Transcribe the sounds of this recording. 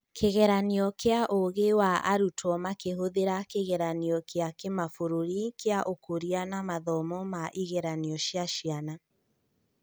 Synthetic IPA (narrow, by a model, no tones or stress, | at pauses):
kʰeɣɛɾaniɔkeaʔoɣewaʔaɾutʰɔmakeɦoðeɾakeɣɛɾaniɔkʰeakemafoɾoɾikeaʔokoɾianamaðɔmɔmaʔiɣɛɾaniɔʃjaʃiana